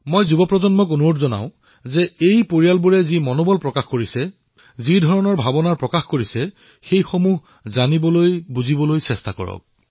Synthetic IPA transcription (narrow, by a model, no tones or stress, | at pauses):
mojzubɔpɹɔzɔnmɔk̬onuɹotzɔna̰ʊ̃ | zɛejpoɹijalbuɹɛzimɔnobɔlpɹɔkaxkoɹisɛ | zidʱɔɹɔnɔɹbʱabɔnaɹpɹɔkaxkoɹisɛ | xejxomuɦ | zanibɔlojbuzibɔlojsɛstakɔ̰ɹɔ̰k̚